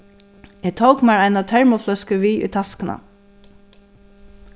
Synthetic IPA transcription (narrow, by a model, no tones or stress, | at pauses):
ɛt̪ʰowkmæɹaɪnat̪ʰɛɹmʊflœskəʋiːʔʏ̰t̪ʰaskəna̰